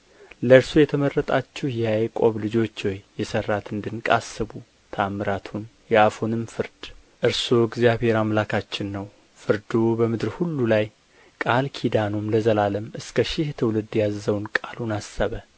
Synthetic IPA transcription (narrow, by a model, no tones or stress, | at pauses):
ləɨɾsujɛt̪ʰəmərːət̪ʼat͡ʃːɛhjajkʼo̞βlɨd͡ʒo̞t͡ʃːwɔjːɛsərːat̪ɨnd̪ɨnkʼa̰sːɨbu | t̪ʰamɨɾat̪ʰunjɛafonɨmfɨɾd̪̥ʔɨɾsoɡzijaβhe̞ɾamlakʰat͡ʃːɪnːəw | fɨɾd̪obəmɨd̪ɨɾhulːulaj | kʼalkʰid̪anomləzəlaləmɨskʰəʃɪht̪ʰɨwlɨd̪jazːəwnkʼalunasːəβə